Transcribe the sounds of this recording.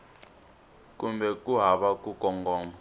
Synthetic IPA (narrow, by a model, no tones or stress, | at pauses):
kumbɛkʼuɦaɓakʼukʼɔŋɡɔːma